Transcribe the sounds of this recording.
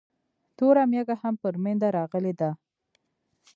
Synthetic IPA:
t̪oɾamjaɡahampəɾmend̪aɾɑɣəled̪a

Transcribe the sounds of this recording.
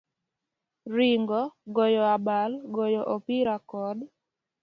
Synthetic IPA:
ɾiŋɡɔɡɔjɔabalɡɔjɔʔopiɾakɔd

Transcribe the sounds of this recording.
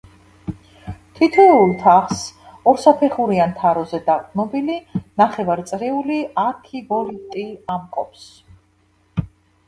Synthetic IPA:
t̪ʰit̪ʰɔulˠt̪ʰaχs | ɔɾsapʰɛχuɾiant̪ʰaɾɔzɛd̪aʁʼdnɔbilinaχɛvaɾit̪sʼɾɛuliaɾkʰibɔɾit̪ʼiamkʼɔ̰pʰs

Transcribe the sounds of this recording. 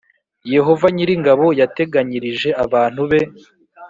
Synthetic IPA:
je̞ɦo̞vaɲiɾiŋɡaβo̞jate̞ɡaɲiɾiʒe̞aβaːn̥huβe̞

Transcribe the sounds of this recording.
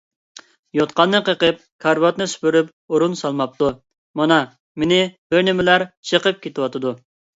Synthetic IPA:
jot̪qɑnːɨqʰəqəp̚kʰɑɾbɑt̪nɨsy̥pyɾyp | oɾunsɑlˠmɑp̚t̪u | mɑnɑ | menɪbøɾnɪmɪlæɾt͡ʃʰəqəp̚kʲʰet̪ʰɪwɑt̪ɨd̪u

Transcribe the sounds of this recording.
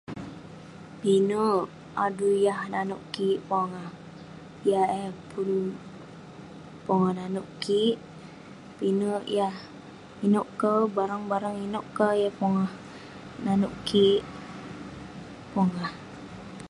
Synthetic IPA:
pinəʔ | adujahnanuʔkiʔpɔŋah | jahɛpun | pɔŋahnanuʔkiʔ | pinəʔjah | inoʔkəbaɾaŋbaɾaŋinoʔkəjahpɔŋah | nanuʔkiʔ | pɔŋah

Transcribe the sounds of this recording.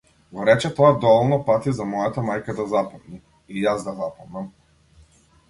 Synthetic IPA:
ɡɔɾɛt͡ʃɛt̪ɔad̪ɔvɔlˠnɔpat̪izamɔjat̪amajkad̪azapad̪ni | ijazd̪azapɔmnam

